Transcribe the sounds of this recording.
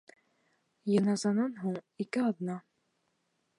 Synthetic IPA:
jɤ̆nɑzɑnɑnɦuɴikɘɑd̪nɑ

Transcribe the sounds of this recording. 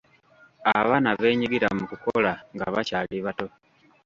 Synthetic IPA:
aβanaβe̞ːɲiɡiɾamukukolaŋɡa̰βacaliβato̞

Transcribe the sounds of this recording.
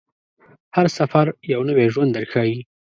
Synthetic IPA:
haɾsafaɾjawnəweʒwand̪əɾxawi

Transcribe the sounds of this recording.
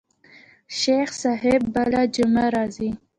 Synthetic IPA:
ʃexsɑɦɪbːalad͡ʒʊmaɾɑzi

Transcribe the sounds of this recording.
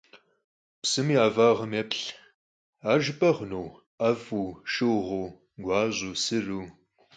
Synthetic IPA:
psɨmiːaːvaːʁɐmepɬ | aːʒɨpʼɐʁnow | avuːʃɨwʁo | ɡʷɑːʑuːsɨruː

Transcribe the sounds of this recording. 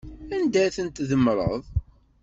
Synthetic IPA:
ænd̪æθənt̪ðəmɾˤə̰ðˤ

